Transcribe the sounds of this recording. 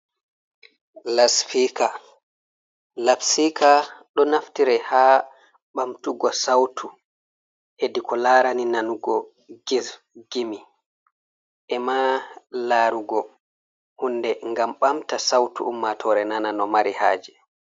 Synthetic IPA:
lasfika | labsikʰaɗɔnaftiɾɛhaː | ɓamtuɡɔsawtʰu | ʔedikɔlaːɾaninanuɡɔ | ɡiz | ɡimi | ʔɛmalaːɾuɡɔ | hundɛŋɡamɓamtasawtṵʔumːatʰɔɾɛnananɔmaɾiha̰ːd͡ʒɛ

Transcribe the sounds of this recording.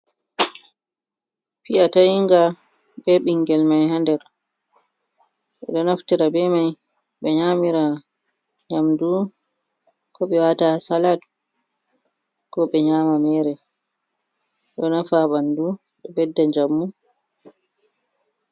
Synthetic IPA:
fiatajiŋɡa | ɓɛɓiŋɡɛlmajhandɛɾ | ɓɛ̰ɗɔnaftiɾabɛmaj | ɓɛɲamiɾa | ɲamdu | kɔɓɛwatasalad | kɔɓɛɲaːmamɛɾɛ | ɗɔnafaɓandu | ɗɔbɛdːaɲd͡ʒamːu

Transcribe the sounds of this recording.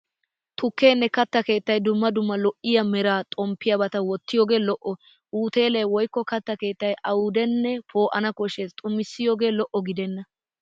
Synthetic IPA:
t̪ʊkːe̞ːnːɛkɐt̪ːɐke̞ːt̪ːɐjd̪ʊmːɐd̪ʊmːɐlɔʔɪjɐmɛɾaːt̪ʼɔmpːɪjɐbɐt̪ɐwɔt̪ːɪjoːɡe̞ːlɔʔɔ | ʔuːt̪e̞ːlejwɔjkːɔkɐt̪ːɐke̞ːt̪ːɐjʔɐwʊd̪ɛnːɛpʰo̞ːʔɐnɐkɔʃest̪ʼʊmːɪsːɪjoːɡe̞ːlɔʔɔɡɪd̪ɛnːɐ

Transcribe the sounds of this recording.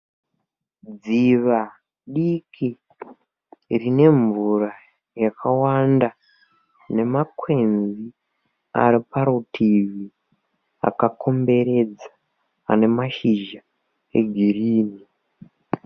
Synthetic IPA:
d͡ziʋa | ɗikʰi | rine̞ɱvura | jakʰawanda | ne̞makwe̞nzi | a̰ɾipaɾutʰivi | a̰kakʰo̞mbe̞ɾe̞d͡za | a̰ne̞maʃiʒa | e̞̰ɡʱiriːni

